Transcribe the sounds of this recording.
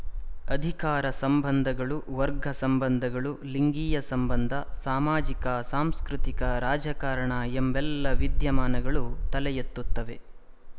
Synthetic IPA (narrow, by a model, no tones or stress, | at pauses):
ɐd̪ʱikaːɾɐsɐmbɐnd̪ʱɐɡɐɭuʋɐɾɡʱɐsɐmbɐnd̪ʱɐɡɐɭu | liŋɡiːjɐsɐmbɐnd̪ʱɐsaːmaːd͡ʒikɐsaːmskɾut̪ikɐɾaːd͡ʒɐkaːɾɐɳɐembɛlːɐʋid̪jɐmaːnɐɡɐɭut̪ɐlɛjɐt̪ːut̪ːɐʋe